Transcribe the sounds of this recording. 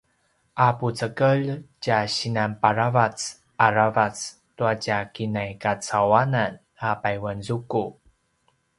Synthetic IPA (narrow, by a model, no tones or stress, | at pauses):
ʔaput͡səkəɭt͡ɕaɕinanpaɾavat͡s | aravat͡s | tuacakinajkat͡sawanan | apajwanzuku